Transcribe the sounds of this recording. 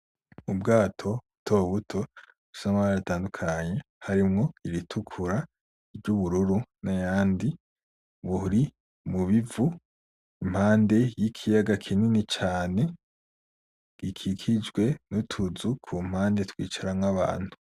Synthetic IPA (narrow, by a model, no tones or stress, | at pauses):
ubɡaːtʰo̞utʰo̞ːβutʰo̞ | usamaaataːndukʰaɲe̞ | haɾimŋo̞iɾitʰukʰuɾa | ivɟuβuɾuɾunajaːndi | βuɾi | muβivu | im̥haːnde̞jikʰijaɡakʰininit͡ʃaːne̞ | ɡ̥ikʰikʰid͡ʒɡwe̞nutʰuzukʰum̥haːnde̞twiːt͡ʃaɾamŋaβa̰ːn̥hu